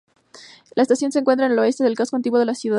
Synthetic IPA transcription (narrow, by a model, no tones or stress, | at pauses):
laest̪asjo̞nseŋkwentɾaeneloe̞st̪e̞ðe̞lkaskoant̪iɣwo̞ðelasjuða